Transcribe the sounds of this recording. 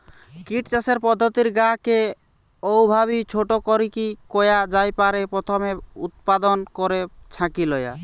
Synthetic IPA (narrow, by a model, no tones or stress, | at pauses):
kiʈt͡ʃaseɾpɔd̪ʱːɔt̪iɾɡaɦke | ɔwbʱaβit͡ʃʰoʈɔkɔɾikikɔjad͡ʒajpaɾepɾɔt̪ʰɔmeut̪̚pad̪ɔnkɔɾet͡ʃʰãkilɔja̰